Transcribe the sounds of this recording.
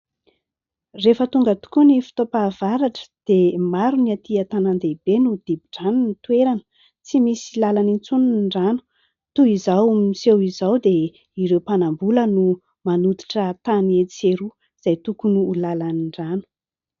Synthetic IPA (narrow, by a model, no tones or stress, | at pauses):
refət̪uŋɡət̪u̥kunifi̥t̪opav̥aɾaʈ͡ʂə̥d̪̥emaɾuniat̪iat̪anand̪ebenud̪ibiʈ͡ʂanunit̪ueɾanə̥ | t͡simisilalanint͡suniɳɖ͡ʐanu̥ | t̪uizawmisewizawd̪e | iɾewpanambulənu | manut̪i̥ʈ͡ʂət̪aniet͡seɾu | z̥ajt̪ukunuːlalaniɳɖ͡ʐanu̥